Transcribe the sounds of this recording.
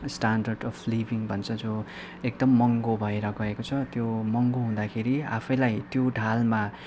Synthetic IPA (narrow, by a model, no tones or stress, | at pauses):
sʈanɖʌrɖʌpʰlibʱiŋbʱʌnt͡sʰʌd͡zo | ek̚d̪ʌmːʌŋɡobʱʌeɾʌɡʌekot͡sʰʌt̪jomʌŋɡoɦũd̪akʰeɾia̰pʰʌjlajt̪joɖʱalma